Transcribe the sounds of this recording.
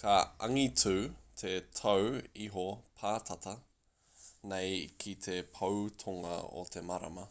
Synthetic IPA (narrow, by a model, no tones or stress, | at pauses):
kɐɐŋit͡sʉt̪ʰetʰɐwiɦopʰaːtʰɐt̪ɐ | nejkʰit̪ʰepʰɐwt̪ʰoŋɐ̰o̰t̪ʰemaɾɐ̰mɐ